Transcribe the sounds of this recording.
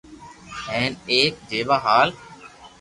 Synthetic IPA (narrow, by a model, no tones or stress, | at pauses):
ẽːneːk̚d͡ʒeːʋaːɦaːl